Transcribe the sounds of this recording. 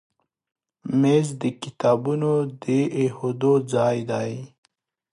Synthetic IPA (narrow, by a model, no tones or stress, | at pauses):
mezd̪əkɪt̪ɑːbunod̪əʔehod̪od͡zɑjd̪aj